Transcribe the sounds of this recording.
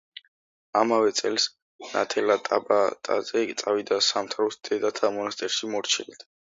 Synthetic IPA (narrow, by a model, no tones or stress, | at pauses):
amavɛt̪sʼɛls | na̰t̪ʰɛlat̪ʼabat̪ʼa̰zɛt̪sʼavid̪asamt̪ʰaɾusd̪̥ɛd̪at̪ʰamɔnast̪ʼɛɾʃimɔɾt͡ʃʰɛlit̪ʰ